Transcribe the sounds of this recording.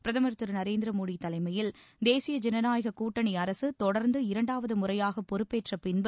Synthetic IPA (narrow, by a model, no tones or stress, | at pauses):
pɪɾɐðɐmɐɾɯt̪ːɪɾnɐɾeːnd̪ɪɾɐmoːɽit̪ːɐlɐɪmɐjɪld̪eːsɪjɐd͡ʒɛnɐnaːjɐɣɐkuːʈːɐɳiɐɾɐsɯt̪ɔɽɐɾnd̪ɯɪɾɐɳɖaːʋɐðɯmʊrɐjaːɣɐpːɔɾɯpːeːʈrɐpɪnbɯ